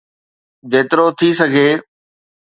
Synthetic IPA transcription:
d͡ʑeːt̪ɪɾot̪ʰisɐɡʱeː

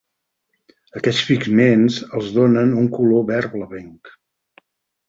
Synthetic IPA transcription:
əkɛt͡sfiɡmenzəlˠzðonənuŋkuloβɛɾβləβɛŋk

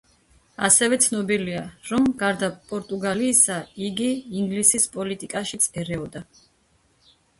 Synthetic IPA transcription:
asɛvɛt̪sʰnɔbiliaɾɔmɡaɾd̪apʼɔɾt̪ʼuɡaliːsaiɡiːŋɡlisispʼɔlit̪ʼikʼaʃit̪sʰʼɛɾɛɔd̪a

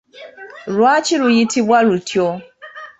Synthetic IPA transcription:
ɾʊat͡ʃiɾujitibaɾutʰio

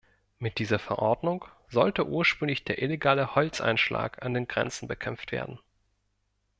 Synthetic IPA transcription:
mɪt̚d̥iːzɐfɛɐʔɔɐdnʊŋ | z̥ɔltəʔuːɐʃpʁ̥ʏŋlɪçd̥eːɐʔileɡaːləhɔlt͡sʔa̰ɪnʃla̰ːkʰandeːnɡʁɛ̰nt͡sn̩bəkʰɛmp͡ftv̥ḛːɐdn̩

